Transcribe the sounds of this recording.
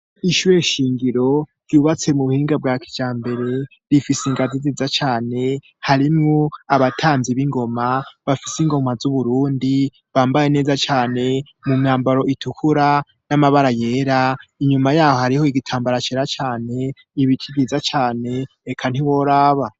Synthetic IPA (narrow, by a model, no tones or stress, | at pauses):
iʃuɾe̞ʃiːŋɡiɾo̞ɾjuːβat͡se̞muβuhiːŋɡab̚ɡaːki̥d͡ʒaːmbe̞ɾe̞ | ɾifisiŋɡazizizat͡ʃaːne̞ | haɾimŋoaβatʰaːnziβiŋɡo̞maβafisiŋɡo̞mazuβuɾuːndi | βaːmbaje̞ne̞ːzat͡ʃaːne̞ | mumŋaːmbaɾo̞ʔitʰukʰuɾa | namaβaɾaje̞ːɾaiɲumajaːho̞haɾiho̞iɡitʰaːmbaɾat͡ʃeɾat͡ʃaːne̞ | iβikʰiɡizat͡ʃaːne̞ː | kʰan̥hiwoɾaːβa